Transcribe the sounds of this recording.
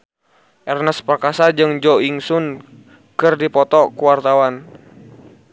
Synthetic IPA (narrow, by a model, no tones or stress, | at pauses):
ʔɛrnəspərkasad͡ʒɨŋd͡ʒɔiŋsun | kɨrdipɔt̪ɔkuwart̪awan